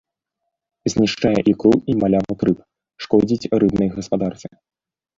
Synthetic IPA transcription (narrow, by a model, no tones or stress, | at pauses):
zʲnʲiʂt͡ʂajɛʔikɾuimalʲavɐkɾɨp | ʂkɔd͡zʲit͡sʲrɨbnɨjɣɐspad̪art̪sɨ